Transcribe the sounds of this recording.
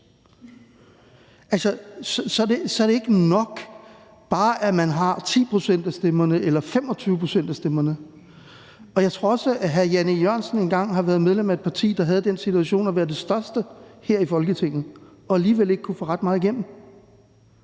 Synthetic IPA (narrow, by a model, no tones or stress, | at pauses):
ʔælsɐssɒ̽ædesɒæɐɾe̝e̝ɡ̥ənɒ̽ɡ̥ | b̥ɑ̈ːʔæmænɦɑ̈t͡sʰḭːpʰʁo̝sen̰d̥æsd̥emɐnəʔelɐfem̰ɒ̽t͡sʰyːʊəpʰʁo̝sen̰d̥æsd̥emɐnə | ɒ̽jɑ̈ɪt͡sʰʁo̝ɐɒsəæɦæjænəjɶɐ̰nsn̩e̝nɡ̥ɑ̈ŋ̰ɦɑ̈ʋæɐð̞ˠmeð̞ˠlemæe̝d̥pʰɑ̈t͡sʰḭːd̥ɑ̈ɦæð̞̩ˠəd̥ensit͡sʰuæɕo̝̰ːnæʋæːɐd̥e̝sd̥ɶɐsd̥əheɐ̰ifɒ̽lɡ̥ət͡sʰe̝ŋ̰n̩ | ɒ̽æliːʋele̝ɡ̥kʰufɔ̰ːʁɑ̈d̥̚mɑ̈ːð̩ˠiɡ̥em̰m̩